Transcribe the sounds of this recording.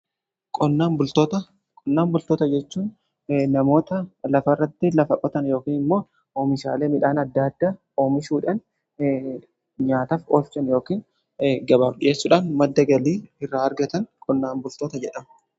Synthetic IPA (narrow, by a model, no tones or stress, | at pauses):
kʼɔnːaːmbʊlt̪ot̪ɐ | kʼɔnːaːmbʊlt̪oːt̪ɐd͡ʒɛt͡ʃːuːn | nɐmo̞ːt̪ɐlɐfɐrːɐt̪ːɪlɐfɐkʼɔt̪ɐnjo̞ːkiːnɪmːo̞ː | oːmɪʃa̰ːle̞ːmɪᶑaːnɐd̪ːaːd̪ːaː | o̞ːmɪʃuːᶑɐn | ɲaːt̪ɐfoːft͡ʃɐnjo̞ːkiːn | ɡɐbaːfɗɪje̞ːsːʊᶑaːnmɐd̪ːɐɡɐliːɪrːaːɾɡɐt̪ɐnkʼɔnːaːnbʊlt̪oːt̪ɐd͡ʒɛᶑɐm